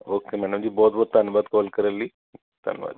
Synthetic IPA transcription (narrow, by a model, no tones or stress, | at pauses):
oːkemɛːɖəmd͡ʒiːbɔːt̪̚bɔːt̪̚d̪ɐnʋaːd̪kɔːlkɐɾəliː | t̪ɐ̰nʋa̰ːd̪i